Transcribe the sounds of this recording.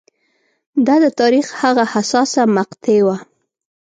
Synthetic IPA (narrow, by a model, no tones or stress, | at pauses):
d̪ɑd̪ət̪ɑɾixhaɣahasɑsamaqt̪ewa